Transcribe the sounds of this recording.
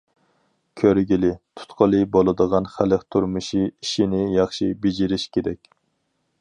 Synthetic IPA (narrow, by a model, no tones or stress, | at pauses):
kʲʰøɾɡʲilɪt̪ʰu̥t̪qʰəlˠɨbolˠɨd̪əʁɑnχæləχt̪ʰuɾmɨʃiiʃinɪjɑχʃibed͡ʒiɾɪʃkʲʰeɾɛkʲ